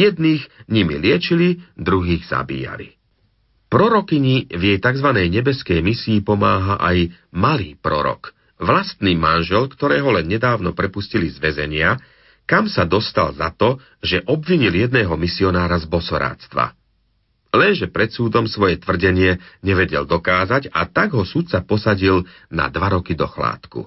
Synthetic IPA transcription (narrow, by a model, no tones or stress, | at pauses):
jɛd̪niːɣɲimḭlɪɛt͡ʃilid̪ɾuɦiːɣz̥a̰bḭːja̰lḭ | pɾɔɾɔkiɲivjɛjt̪aɡzʋanɛjɲɛbɛskɛjmisiːpɔmaːɦaʔaj | maliːpɾɔ̰ɾɔ̰k | ʋlast̪niːmanʒɛlkt̪ɔɾɛːɦɔlɛnɲɛd̪aːʊnɔpɾɛpuscilizʋɛzɛɲɪa | kamsad̪ɔst̪alzat̪ɔ | ʒɛʔɔbʋiɲiljɛd̪nɛːɦɔmisiɔnaːɾazbɔsɔɾa̰ːt̪st̪ʋa̰ | lɛnʒɛpɾɛt̪suːd̪ɔmsʋɔjɛt̪ʋr̩ɟɛɲɪɛɲɛʋɛɟɛ̰ld̪ɔkaːzaɟa̰t̪aɡɦɔsut̪̚t͡sapɔsaɟil | na̰d̪ʋaɾɔkid̪ɔxla̰ːt̪kṵ